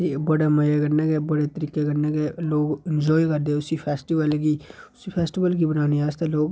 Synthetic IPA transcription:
ibəɽeməjekɐɾneɡebəɽet̪əɾiːkekɐɾneɡeloːɡɪnd͡ʒɔːjkɐɾd̪eʊsipʰeːsʈiʋəlɡiːʊsipʰɛːsʈɪʋəlkibənaːniaːst̪eloːɡ

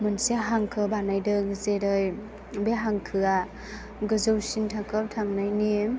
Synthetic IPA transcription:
mɯnsiaɦaŋkʰɯbanajdɯɡɯzeɾɯj | beɦaŋkʰɯa | ɡɯzɯwsintʰakʰap̚tʰaŋnajni

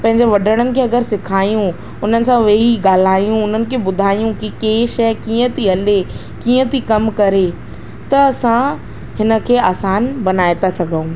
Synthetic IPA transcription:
pɐ̃ɦɪ̃ɲd͡ʑeʋɐɖʱəɽ̃ənɪ̆kʰeːɐɡəɾsɪkʰaːjũ | ʊn̤ənɪ̆sãʋeɦiɠaːl̤aːijũʊn̤ənɪ̆kʰeːbʊd̪ʱaːijũkikeːʃɐjkiːə̃t̪ʰiɦɐle | kiːə̃t̪ʰikɐmkɐɾe | t̪ɐːsã | hɪnə̆kʰeːaːsaːnbɐnaːet̪asɐɡʱəũː

